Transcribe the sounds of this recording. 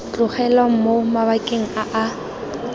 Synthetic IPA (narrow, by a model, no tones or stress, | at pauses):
t͡ɬʼʊχɛlwaŋ̩momaβakʼeŋ̩aʔa